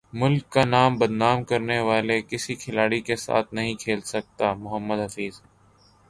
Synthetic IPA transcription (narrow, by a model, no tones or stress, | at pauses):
mʊlkːanaːmbɐd̪naːmkɐɾneʋaːlekɪsikʰɪlaːɽikesa̰ːt̪ʰnɐɦĩkʰeːlsɐk̚t̪aːmʊɦəmːəd̪ɦɐfiːz